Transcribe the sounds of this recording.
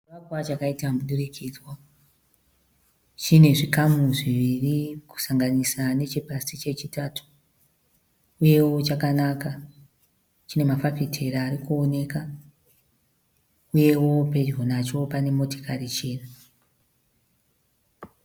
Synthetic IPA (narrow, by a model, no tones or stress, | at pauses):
t͡ʃiʋakwat͡ʃakaitamuɗurikʰid͡zwa | t͡ʃine̞ʐikamuʐiʋiriku̥saŋɡanisane̞t͡ʃipasit͡ʃe̞t͡ʃitatʰu̥ | uje̞wo̞t͡ʃakanaka | t͡ʃine̞mafafitʰe̞ɾaːɾikuone̞ka | uje̞wo̞pe̞d͡ʒo̞nat͡ʃo̞pane̞mo̞to̥karit͡ʃeːra